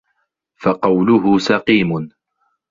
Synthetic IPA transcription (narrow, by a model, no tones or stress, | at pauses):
faqɑwlʊɦʊsɑqiːmʊn